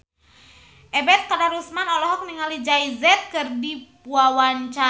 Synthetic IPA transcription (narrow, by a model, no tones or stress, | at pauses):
ʔɛbɛt̪̚kadaɾusmanɔlɔɦɔk̚niŋalid͡ʒajzɛt̪̚kɨrdippuawaɲt͡ʃa